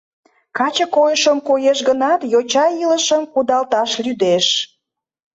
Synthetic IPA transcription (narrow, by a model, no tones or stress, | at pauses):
kɑt͡ɕəkojəʃəmkojeʃɡənɑt̪jot͡ɕɑiləʃəmkud̪ɑlt̪ɑʃlyd̪eʃ